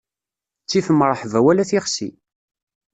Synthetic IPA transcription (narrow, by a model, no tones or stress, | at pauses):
t͡sːifəmɾˤəħvæwælæθiχsḭ